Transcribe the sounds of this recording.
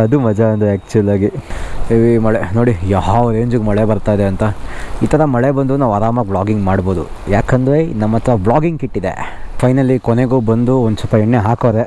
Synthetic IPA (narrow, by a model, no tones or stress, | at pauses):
ɐd̪umɐd͡ʒɐɐnd̪ɾeæːk̚t͡ʃuɐlaːɡiʋimɐɭenoːɽijaːɦaːʋɾeːɲd͡ʒuɡmɐɭebɐɾt̪aːjd̪eɐnt̪ɐiːt̪ɐɾɐmɐɭebɐnd̪unaːʋaːɾaːmɐk̚bɭaːɡiŋɡmaːɽbo̞ːd̪ṵ | jaːkɐnd̪ɾenɐmːɐt̪ɐɾɐbɭaːɡiŋɡkiʈːid̪ḛpʰɐjnɐlːikɔneɡuːbɐnd̪uond̪usɐpɐɛɳːeɦaːkoːɾe